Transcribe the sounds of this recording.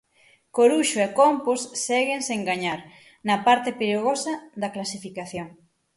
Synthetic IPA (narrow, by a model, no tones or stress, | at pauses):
koɾuʃoekomposːɛɣenseŋɡaɲaɾ | nɐpaɾt̪epiɾeɣosɐðɐklasifikaθjoŋ